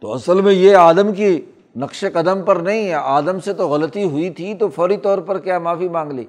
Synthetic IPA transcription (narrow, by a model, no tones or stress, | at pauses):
t̪oɐsəlmẽjeaːd̪əmki | nɐqʃekɐd̪əmpɐɾnɐɦĩɦɛaːd̪əmset̪oɣɐlət̪iɦʊit̪ʰit̪ofɔːɾit̪ɔːɾpɐɾkjaːmaːfimãːŋɡlḛː